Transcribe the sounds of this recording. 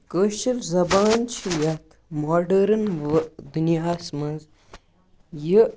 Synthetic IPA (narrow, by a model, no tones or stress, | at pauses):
kəʃifzɐbaːnt͡ʃʰijɐt̪ʰmaːɖɐɾɐnʋd̪unijaːsmɐz | ji